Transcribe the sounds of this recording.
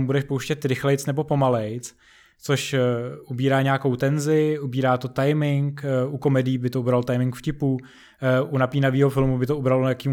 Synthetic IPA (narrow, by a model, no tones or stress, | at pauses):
mubudɛʃpowʃcɛt̪ɾɪxlɛjt͡snɛbo̞po̞malɛjt͡s | t͡soʃʔubiːɾaːɲeako̞wt̪ɛnzɪʔubiːɾaːt̪o̞t̪ajmɪŋkuko̞mɛdɪiːbɪt̪oubɾalt̪ajmɪŋkfcɪpuː | ʔunapiːnaviːɦo̞fɪlmubɪt̪oubɾalonajakiːm